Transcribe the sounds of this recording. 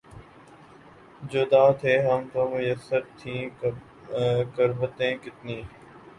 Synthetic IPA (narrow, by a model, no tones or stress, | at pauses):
d͡ʑoːd̪aːt̪ʰeːɦəmt̪õːmʊjəsːəɾt̪ʰĩː | kəɾbət̪ẽːkɪt̪niː